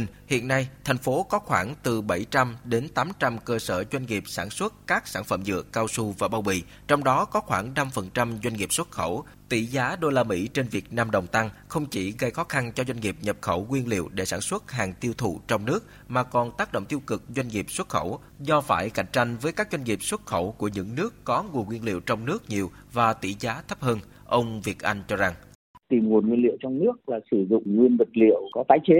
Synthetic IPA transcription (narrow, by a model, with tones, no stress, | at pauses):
hḭ˧˨ənːa˧jt̪ʰɛ˨˩jŋ̟fo˨˦kɔ˨˦xwaː˧˩ŋt̪ɨ˨˩ɓa˧˩jt͡ɕa˧mɗe˨˦nt̪aː˨˦mt͡ɕa˧mkəː˧səː˧˩zwa˧jŋ̟ŋi˨˩əp̚saː˧˩nswə˦˥t̚kaː˦˥k̚saː˧˩nfə̰˧˩mzɨ̰˧˨əːaː˧wsu˧vaː˨˩ɓaː˧wɓḭ˧˨ | t͡ɕɔ˧wŋ͡mɗɔ˨˦kɔ˨˦xwaː˧˩ŋna˧mfə˨˩nt͡ɕa˧mzwa˧ŋŋi˨˩p̚swə˦˥t̚xə˧˩w | t̪ḭ˧˩˨zaː˨˦ɗo˧laː˧mḭ˧˥t͡ɕe˧nvi˨˩ək̚naː˧mɗə˨˩wŋ͡mt̪a˧ŋxə˧wŋ͡mt͡ɕi˧˩ɣə˧jxɔ˨˦xa˧nt͡ɕɔ˧zwa˧jŋ̟ŋi˨˩p̚ɲə˨˩p̚xə˧˩wŋwi˧ənlḭ˧˨əwɗe˧˩saː˧˩nswə˦˥t̚haː˨˩ŋt̪i˧əwt̪ʰṵ˧˨t͡ɕɔ˧wŋ͡mnɨ˦˥ək̚ | maː˨˩kɔ˨˩nt̪aː˦˥k̚ɗo̰˧˨wŋ͡mt̪i˧əwkɨ˨˩k̚zwa˧jŋ̟ŋi˨˩əp̚swə˦˥t̚xə˧˩w | zɔ˧faː˧˩jka̰˧˩jŋ̟t͡ɕa˧jŋ̟vəː˨˦jkaː˦˥k̚zwa˧ŋ̟ŋi˨˩p̚swə˦˥t̚xə˧˩wku˧˩əɲɨ̰˧˥ŋnɨ˦˥əkːɔ˨˦ŋu˨˩ənŋwi˧ənlḭ˧˨əwt͡ɕɔ˧wŋ͡mnɨ˦˥ək̚ɲi˨˩əwvaː˨˩t̪ḭ˧˩zaː˨˦t̪ʰə˦˥p̚həː˧n | ʔə˧wŋ͡mvi˨˩ət̚ʔa˧jŋ̟t͡ɕɔ˧za˨˩ŋ | t̪i˨˩mŋu˨˩ənŋwi˧əlḭ˧˨wt͡ɕɔ˧wŋ͡mnɨ˦˥ək̚laː˨˩sɨ˧˩zʊ̰˧˨ŋ͡mŋwi˧ənvə˨˩t̚lḭ˧˨əwkɔ˨˦t̪aː˨˦jt͡ɕe˨˦